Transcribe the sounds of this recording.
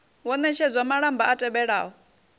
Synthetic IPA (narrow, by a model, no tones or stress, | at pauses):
wɔnɛt͡ʃʰɛd͡zʷamaɺambaʔatʼɛɓɛɺa̰ːɦɔ